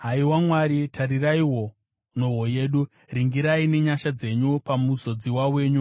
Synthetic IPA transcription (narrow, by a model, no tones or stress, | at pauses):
ɦaiwamwaɾitʰaɾiraiɦo | noɦo̞je̞ːɗu | riŋɡiɾaine̞ɲaʃad͡ze̞ɲupamuzo̞d͡ziwawe̞ːɲu